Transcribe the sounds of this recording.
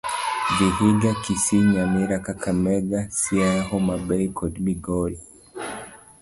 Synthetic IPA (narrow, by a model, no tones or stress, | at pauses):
biɦiɡakisiɲamiɾakakʰamɛɡasiaɦɔmabɛikʰɔdmiɡɔɾi